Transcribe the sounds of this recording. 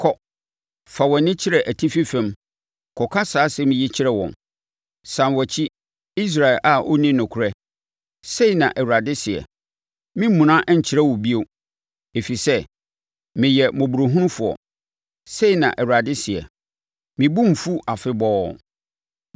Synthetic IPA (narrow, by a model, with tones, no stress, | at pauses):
kʰɔ˨ | fa˨wɔ̃˨nɪ̃˦t͡ɕʰɪ˦ɾɛ˨ʔæ˨tʰi˦fi˦fɛ̃˦m | kʰɔ˨kʰa˦saː˨˦sɛ˦mɪ̃˨ji˦t͡ɕʰɪ˦ɾɛ˦wɔ̰̃˨n | sã˨nwɔ˨t͡ɕʰi˦ | i˦s̬ɾa˨ɪ˨lʔa˨ʔo̰˦nĩ˦nʊ̃˨kʰʊ˨ɾɛ˦ | se˦i˨nã̰˨ʔɛ˨wa˨dɪ˦sɪ˨ɛ̰˨ | mĩ˦m̩˦mũ˨nã˦ʔɲ̩˨t͡ɕʰɪ˨ɾɛ˦wʊ˨bi˦o˨ | e˨fi˨sɛ˦ | mɪ̃˨jɛ˨mõ˨bu˨ɾo˨ɦũ˦ɾʊ̃˦fʊ˨ɔ̰˨ | se˦˨nã̰˨ʔwu˨a˨dɪ˦sɛ̰˨ | mĩ˨bũ˦m̩˨fu˦a˨fɪ˦bɔː˦